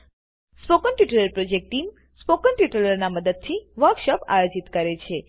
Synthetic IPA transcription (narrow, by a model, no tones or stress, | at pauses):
spokənʈiʈələɾpɾod͡ʒek̚ʈʈim | spokəɳʈiʈələɾnaməd̪əd̪̚t̪ʰiʋəɾkʃɔpa̰jod͡ʒit̪kəɾet͡ʃʰe